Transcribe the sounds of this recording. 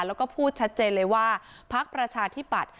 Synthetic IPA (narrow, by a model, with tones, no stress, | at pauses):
lɛː˦˥wkɔː˥˩pʰuː˥˩t̪̚t͡ɕʰa˦˥t̪̚t͡ɕeː˧nlɤː˧jwaː˥˩ | pʰa˦˥k̚pɾa˧t͡ɕʰaː˧t̪ʰi˦˥˩pa˨˩t̪̚